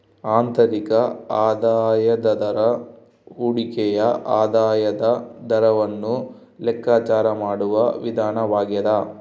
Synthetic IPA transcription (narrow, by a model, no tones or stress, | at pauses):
aːnt̪ɐɾikɐaːd̪aːjɐd̪ɐd̪ɐɾɐ | uːɽikɛjɐʔaːd̪aːjɐd̪ɐd̪ɐɾɐʋɐnːu | lɛkːaːt͡ʃaːɾɐmaːɽuʋɐʋid̪ʱaːnɐʋaːɡɛd̪a